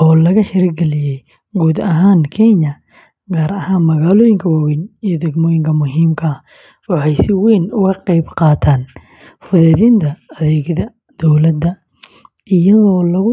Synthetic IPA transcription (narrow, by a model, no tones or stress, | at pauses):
ʔɔːlɐɣɐħɪɾɪɡɛlɪjɛj | ɡuːd̪ɐɦaːŋkʰɛɲɐ | ɡaːɾɐhaːnmɐɣaːlɔːjɪŋkʰɐwawinijɔd̪ɛɡmɔːjɪŋkʰɐmʊɦiːmkʰɐɐ | wɑħɑjsɪwɛjnʊɣɐqɑjbqɑːt̪ʰaːn | fʊðɛːðɪnt̪ʰɐɐðɛːɡðɐ | d̪̥ɔwlɐd̪ɐ | ʔɪjɐðɔːlɐɣʊ